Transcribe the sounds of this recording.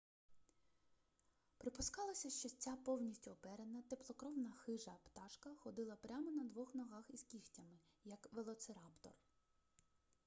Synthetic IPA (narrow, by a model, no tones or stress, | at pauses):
pɾɪpʊskɑlˠɐsʲɐʃt͡ʃɔt͡sʲapɔwnʲisʲtʲʊːpɛɾenɐt̪eplˠɔkɾɔwnɐxɪʒɐpt̪ɑʃkɐxɔd̪ɪlˠɐpɾʲamɔnɐd̪ʋɔxnɔɦɑxiz̥kʲixtʲɐmɪ | jɐkʋelˠɔt̪seɾɑpt̪ɔ̰r